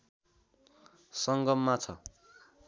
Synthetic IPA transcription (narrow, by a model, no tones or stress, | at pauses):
sʌŋɡʌmːat͡sʰʌ̰